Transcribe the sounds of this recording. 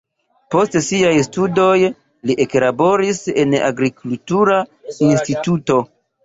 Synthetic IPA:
po̞stsiajstudo̞j | liʔe̞klabo̞ɾise̞na̰ɡɾikultuɾainstituto̞

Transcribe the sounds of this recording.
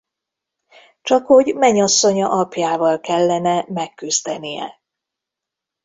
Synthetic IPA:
t͡ʃɒkho̞ɟmɛɲɒsːo̞ɲɒʔɒpjaːvɒlkɛlːɛnɛmɛkːyzd̪ɛnijɛ̰

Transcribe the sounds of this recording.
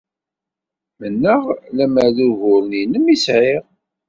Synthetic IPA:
mənːəʁlæməʕðuɣʊɾninəmisʕɪʁ

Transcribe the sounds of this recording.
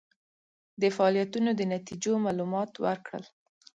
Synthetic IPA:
d̪əfaɑlijat̪unod̪ənat̪id͡ʒomɑlumɑt̪wəɾkɽə̰l

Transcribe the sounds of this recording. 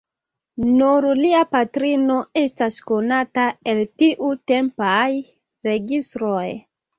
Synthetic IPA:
nuɾliapatɾino̞e̞stasko̞natae̞ltiʔute̞mpaj | ɾe̞ɡistɾo̞j

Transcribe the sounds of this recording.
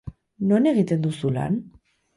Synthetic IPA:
no̞ne̞ɣ̞it̪e̞nd̪usula̰n

